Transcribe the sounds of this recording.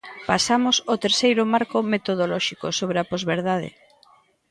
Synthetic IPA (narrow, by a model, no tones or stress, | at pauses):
pasamʊsot̪eɾsejɾʊmaɾkomet̪oð̞olɔʃikosoβɾeapozβeɾð̞að̞ḛ